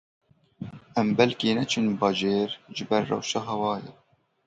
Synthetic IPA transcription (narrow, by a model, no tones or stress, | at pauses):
ʔɛmbɛlkinɛt͡ʃʰɨnbɑːʒeːɾʒɨbɛɾːɛ̰wʃɑːɦɛwɑːjɛ